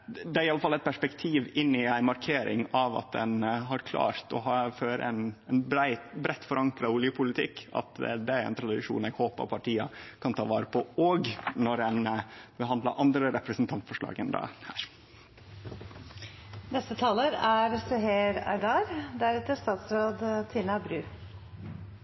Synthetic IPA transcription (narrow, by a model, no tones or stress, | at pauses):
d̪ɛæɾɪɑlːəfɑlːɛɪt̪̚pʰæʂpɛkt̪ʰiːʋɪnːɪæɪmɑɾkʰeːɾʔɪ̰ŋɑʋɑ̰t̪̚d̪ɛ̰nɦɑɾkʰlɑ̰ːɾt̪ɔ̰ɦɑːføːɾə̰ɛnɛnbæɪbɾɛt̪ːfɔɾɑŋkɾɑʊljəpʰʊlɪt̪ʰɪkːɑ̰t̪d̪ɛæɾæ̰nt̪ʰɾɑd̪ɪʂṵːnɛɡhoːpɑ̰pʰɑʈʰiːɑkʰɑnt̪ʰɑːʋɑːɾəpʰɔɔɡnɔɾɛnbəɦɑnd̪lɑ̰ʔɑnd̪ɾəɾɛpɾəsnt̪ʰɑnt̪fɔʂɭɑ̰ːɡənd̪ɑ̰hæːɾ | nɛst̪ət̪ʰɑːləɾæɾsɛɦeːɾæ̰ɪd̪ɑːɾd̪æɾɛːt̪əst̪ɑːt̪sɾoːd̪t̪ʰiːnɑbɾʉː